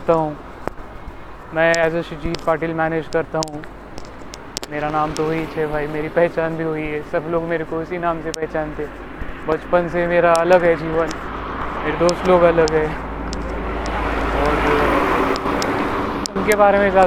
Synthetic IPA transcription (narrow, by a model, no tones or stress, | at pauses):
t̪aɦũː | mɛ̃ːɛːzoʃɪd͡ʒiːt̪paːʈiːlmɛːneːd͡ʒkɐɾt̪aɦũ | meːɾanaːmt̪oɦoit͡ʃʰɛbʱaːimeːɾipɛɦt͡ʃaːnbʱiɦoiɦɛːsɐbloːɡmeːɾekoɪsinaːmsepɛɦt͡ʃaːnt̪ʰe | bɐt͡ʃpənsemeːɾaɐləɡɦɛd͡ʒiːʋənmeːɾed̪oːst̪loːɡɐləɡɦɛ | ɔːɾ | ʊnkebaːɾemẽzjaː